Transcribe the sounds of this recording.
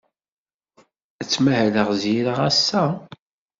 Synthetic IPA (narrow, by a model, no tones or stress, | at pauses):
ət͡sːmæhləʁzjiɾəʁæsːæ